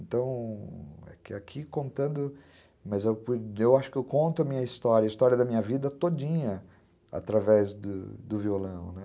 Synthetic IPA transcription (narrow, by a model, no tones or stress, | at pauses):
ẽnt̪ɐ̃w̃ | ɛ̰kɪakʰikõnt̪ɐ̃nd̪ʊ | mɐzewpuewaʃʊ̥kɪewkõnt̪ʊɐmĩɲɐist̪ɔɾjɐist̪ɔɾiɐd̪ɐmĩɲɐvid̪ɐt̪od͡ʒĩɲɐ | a̰t̪ɾavɛzd̪ʊ̰d̪ʊviolɐ̃w̃nɛ